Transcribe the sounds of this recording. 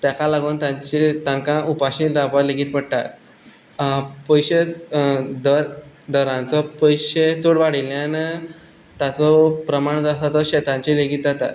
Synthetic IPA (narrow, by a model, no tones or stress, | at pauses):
t̪jakalaɡuːnt̪ãɲt͡ɕit̪ãŋkãʔupaɕiːlɾapaleɡiːt̪̚pəɽʈ̪a̰t̪ | pəjɕe | d̪əɾ | d̪ɔɾãnt͡sɔpəjɕet̪uɽʋaɽiljãn | t̪jat͡sɔpɾəmaɳd͡z̪asat̪ɔɕɛt̪ãɲt͡ɕileɡiːt̪̚d͡zat̪a̰t̪